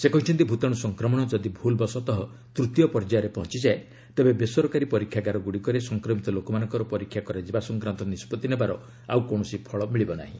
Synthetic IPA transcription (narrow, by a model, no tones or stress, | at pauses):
sekɔĩʈʰint̪ibʱut̪ɔɽ̃ɔsɔŋkɾɔmɔɽ̃ɔd͡ʒɔd̪ibʱulbɔsɔt̪ɔɦɔ | t̪ɾut̪jɔpɔɾd͡ʒaɾepɔɦɔnt͡ʃid͡ʒae | t̪ebebesɔɾɔkaɾipɔɾikʰːjaɡaɾɔɡuɽikɔɾesɔŋkɾɔmit̪ɔlokɔmanɔŋkɔɾɔpɔɾikʰːjakɔɾad͡ʒibasɔŋkɾant̪ɔnispɔt̪ːinebaɾɔ | a̰wkoɳ̃ɔsipʰɔɭɔmiɭibɔna̰ɦḭ̃